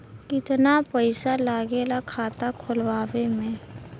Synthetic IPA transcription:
kɪt̪napəɪsalaːɡeːlakʰaːt̪akʰʊlʋaːʋemẽ

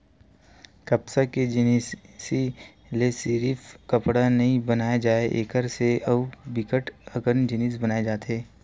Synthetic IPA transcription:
kɐpsaked͡ʒɪniːssi | lesiːɾiːfkɐpɽanɐɦĩbɐnaːjad͡ʒaːeʔeːkəɾseɐʋbɪkəʈɐɡəɾnd͡ʒɪniːsbɐnaːed͡ʒaːt̪ɦeː

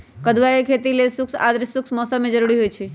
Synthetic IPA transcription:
kəd̪ʋajekʰet̪ilesʊksa̰d̪ɾsʊksmɔsəmːẽd͡ʒəɾuɾiɦojt͡ʃʰi

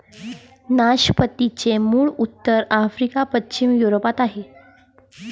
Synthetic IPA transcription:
naɕpət̪it͡ɕemuːɭut̪ːəɾafɾikapət͡ɕimjuɾopat̪aɦe

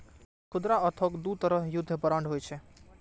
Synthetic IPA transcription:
kʰʊd̪ɾaət̪ʰɔkd̪ut̪əɾəɦjʊd̪ʱːəpəɾaɳɖɦojt͡ʃʰɛ

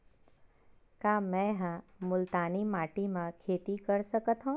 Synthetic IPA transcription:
kaːmɛ̃ɦãmʊlt̪aːnimaːʈimãkʰeːt̪ikəɾsəkət̪ɦõː

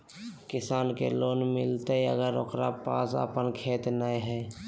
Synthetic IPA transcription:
kɪsaːnkḛloːnmɪlt̪eiə̰ɡəɾo̰ːkɾapa̰ːsə̰pənkʰeːt̪najɦɛː

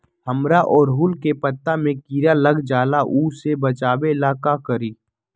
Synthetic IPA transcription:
həmɾaʔɔːɾɦulkepət̪ːamẽkiːɾaləɡd͡ʒaːlaʔuːsebət͡ʃaːbelaːkakəɾiː

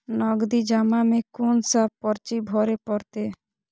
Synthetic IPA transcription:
nɔɡd̪id͡ʒamamẽkonsapɔɾt͡ʃibʱɔɾepɔɾt̪e

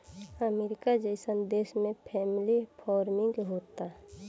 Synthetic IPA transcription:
əmeɾɪkad͡ʒəɪsənd̪eːsmẽpʰɛːmlipʰɔːɾmɪ̃ŋɡɦoːt̪a

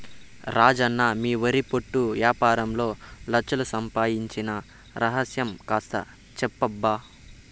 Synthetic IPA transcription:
ɾʔaːd͡ʒɐnːamiːʋɐɾipoʈːuʋjaːpaːɾɐmlo̞ːlɐt͡ʃːɐlusɐmpaːjiɲt͡ʃinɐ | ɾɐɦɐsjɐmkaːst̪ɐ̰ | t͡ʃɛpːɐbːaː

